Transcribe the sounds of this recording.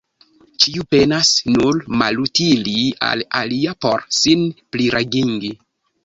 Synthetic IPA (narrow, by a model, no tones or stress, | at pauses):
t͡ʃiupe̞nasnuɾmalutilia̰la̰liapo̞ɾsinpliɾaɡiŋɡi